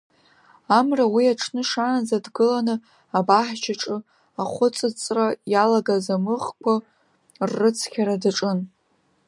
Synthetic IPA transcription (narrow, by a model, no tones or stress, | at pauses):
amrawiaʈ͡ʂʰnɨʂanazadɡɨlanɨ | abaħt͡ʃʰaʈ͡ʂʼɨ | aχʷʊt͡sʼɨt͡sʼrajalaɡazamɨχkʷʰa | rːɨt͡sʰkʲʰaɾadaʈ͡ʂʼɨn